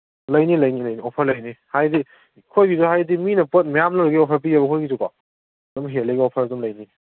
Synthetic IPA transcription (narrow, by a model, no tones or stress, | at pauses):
lɐjnilɐjnilɐjniɔpʰɐɾlɐjnihajdi | kʰojɡizuɦajdiminɐpɐt̚majamnaɾɐɡiɔpʰɐɾp̬iabɐkʰojɡizuka̰ | dɔmɦeleɡiɔpʰɐɾɐdɔmlɐjni